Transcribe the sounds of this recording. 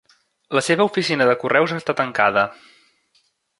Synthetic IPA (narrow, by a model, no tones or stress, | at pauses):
ləseβəufisinəðəkurʔɛwzəst̪at̪əŋkaðə